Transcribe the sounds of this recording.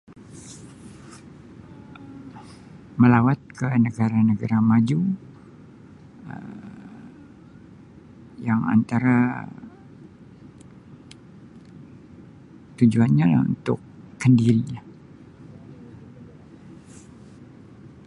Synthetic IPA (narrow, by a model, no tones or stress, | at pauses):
məlawat̪̚kənəɡaɾanəɡaɾamad͡ʒu | ə̰ | jaŋa̰nt̪aɾa | t̪ud͡ʒuanɲala̰ṵnt̪ʊkːəndiɾia